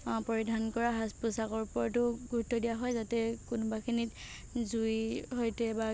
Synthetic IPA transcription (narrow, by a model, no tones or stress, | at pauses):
pɔɹidʱankɔɹaɦaspʊsakɔɹpɔɹtʊɡuɹtʰːɔdijaɦɔjzatɛkunbakʰinit | zujɦojtɛba